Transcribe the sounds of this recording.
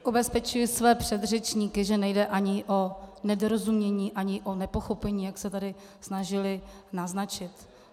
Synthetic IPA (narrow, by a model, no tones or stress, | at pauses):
ʔobɛspɛt͡ʃujɪsvɛːpr̝̥ɛd̪rɛt͡ʃɲiːkɪʒɛnɛjdɛʔaɲɪʔo̞nɛdoɾozumɲɛɲiːʔaɲɪʔo̞nɛpo̞xo̞pɛɲiːjaksɛt̪adɪ | snaʒɪlɪnaznat͡ʃɪt̪